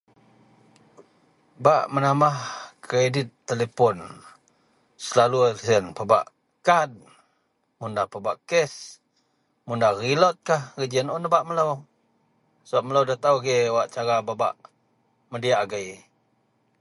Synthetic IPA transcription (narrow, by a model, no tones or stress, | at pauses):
baʔmənamahkɾedɪt̪ːelepɔn | səlalusənpəba̰ʔ | kad̪̚ | mundahpəbaʔkɛs | mundarilɔt̪̚kahrid͡ʒənɔnəbaʔmələw | səbaʔ̚mələwdat̪awɡɛwaʔt͡ʃaɾababa̰ʔ | mədiaʔɡəj